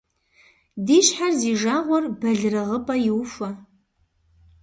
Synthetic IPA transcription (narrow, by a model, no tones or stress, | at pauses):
diːʃħarziːʒaːʁʷɔrbɐɮrɨʁəpʼɐjɪwfɐ